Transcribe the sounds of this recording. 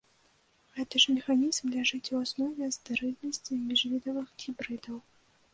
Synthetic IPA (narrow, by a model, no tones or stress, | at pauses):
ɣɛt̪ɐʂmʲɛxanʲizmlʲaʐɨt͡sʲuwasnɔvʲɛzd̪ɨɾɨlʲnɐsʲt͡sʲimʲiʐvʲid̪ɐvɨxxʲibɾɨd̪ɐw